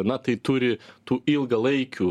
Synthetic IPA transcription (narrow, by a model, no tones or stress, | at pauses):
nɐt̪ɐɪt̪ʊɾʲɪt̪uːɪlˠɡɐlˠɐɪkʲu